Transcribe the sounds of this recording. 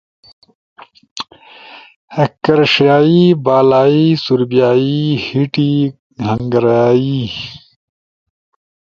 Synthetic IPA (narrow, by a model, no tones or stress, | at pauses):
hɐkːɐɾʂaːibaːlaːisuɾbijaːihiʈi | hɐŋɡɐɾaːi